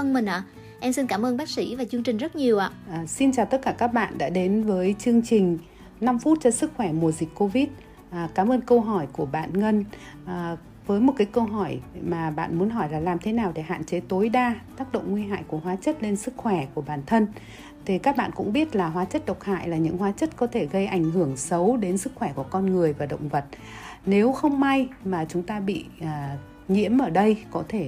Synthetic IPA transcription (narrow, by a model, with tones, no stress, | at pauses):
ə˧ŋmï˨˩ʔaː˧˩ | ʔɛ˧msi˧nkaː˧˩mʔəː˧nɓaː˦˥k̚sḭ˧˥vaː˨˩t͡ɕɨ˧əŋt͡ɕï˨˩ŋ̟zə˦˥t̚ɲi˨˩əwʔa̰ː˧˨ʔːsi˧nt͡ɕaː˨˩wt̪ə˦˥t̚kaː˧˩kaː˦˥k̚ɓa̰ː˧˨nɗa̰ː˧˥ɗe˨˦nvəː˨˦jt͡ɕɨ˧əŋt͡ɕï˨˩ŋ̟ | na˧mfu˦˥t̚t͡ɕɔ˧sɨ˦˥k̚xwɛ˧˩mu˨˩əzï˨˩k̟̚ʲko˧vi˦˥t̚ː | kaː˨˦mʔəː˧nkə˧wɦɔ˧˩jku˧˩əɓa̰ː˧˨nŋə˧nː˨˩ | vəː˨˦jmo˨˩kaː˨˦jkə˧wɦɔ˧˩jmaː˨˩ɓa̰ː˧˨nmu˨˦nɦɔ˧˩jlaː˨˩laː˨˩mt̪ʰe˨˦naː˨˩wɗe˧˩ɦa̰ː˧˨nt͡ɕe˨˦t̪o˨˦jɗaː˧t̪aː˦˥k̚ɗə̰˧˨wŋ͡mŋwi˧ɦa̰ː˧˨jku˧˩əɦwaː˨˦t͡ɕə˦˥t̚le˧nsɨ˦˥k̚xwɛ˧˩ku˧˩əɓaː˨˩nt̪ʰə˧n | t̪ʰi˨˩kaː˦˥k̚ɓa̰ː˧˨nkʊ̰˧˥ŋ͡mɓi˦˥ət̚laː˨˩ɦwaː˨˦t͡ɕə˦˥t̚ɗə˨˩wk͡p̚ha̰ː˧˨jlaː˨˩ɲɨ̰˧˥ŋhwaː˨˦t͡ɕə˦˥t̚kɔ˨˦t̪ʰe˧˩ɣə˧jʔa˧˩jŋ̟ɦɨ˧˩əŋsə˨˦wɗe˨˦nsɨ˦˥k̚xwɛ˧˩ku˧˩əkɔ˧nŋɨ˨˩əjvaː˨˩ɗə̰˧˨wŋ͡mvə˨˩t̚ | ne˨˦wxə˧wŋ͡mma˧jmaː˨˩t͡ɕʊ˨˦ŋ͡mt̪aː˧ɓḭ˧˨˩ | ŋḭ˧˥əmʔəː˧˩ɗə˧jkɔ˨˦t̪ʰe˧˩